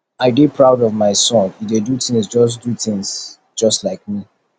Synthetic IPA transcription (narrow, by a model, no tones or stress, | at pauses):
aɪdipʰɹaʊdɔvmaɪsɔ̃nidedutɪ̃ŋsd͡ʒɔs̬dut̪ɪ̃ŋz | d͡ʒʌstlaɪk̚mi